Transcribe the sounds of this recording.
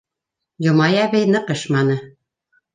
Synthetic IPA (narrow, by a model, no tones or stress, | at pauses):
jŏmɑjæβɘjnɤqɤʃmɑnɤ